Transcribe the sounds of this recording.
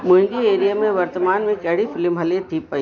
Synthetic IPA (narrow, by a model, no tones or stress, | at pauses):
mʊ̃ɪ̃ŋɡieːɾijamẽʋɐɾt̪əmaːnmẽkɛɦɽifʰɪlmɦɐlet̪ʰiːpːɐi